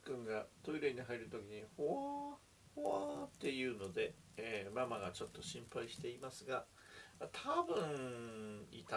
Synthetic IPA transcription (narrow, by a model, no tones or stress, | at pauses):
kɯ̟̃ŋɡat̪oiɾɯiɲ̟iɦaiɾɯ̟t̪o̞kʲiɲ̟ihoa | hoat̪ːe̞jɯ̟ːno̞d̪e̞ | emamaɡat͡ɕo̞t̪ːo̞ɕĩmpaiɕi̥t̪e̞imasɨɡa | t̪ʰabɯ̟̃ɴ | it̪